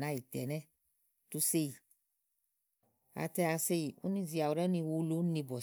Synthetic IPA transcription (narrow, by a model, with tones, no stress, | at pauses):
nã˦i˨tɛ˨nɛ˦ | tu˧se˦i˨ | a̰˨tɛ˧a˧se˦i˨ṵ˦nĩ˧zi˨˧a˨wu˨ɾɛ˦nĩ˧wo˧˦lo˦nĩ˧bɔ˨